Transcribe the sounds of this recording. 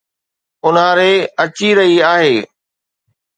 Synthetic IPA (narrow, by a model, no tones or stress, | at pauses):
ʊnãɾeːɐt͡ɕiɾɐɦiaːɦeː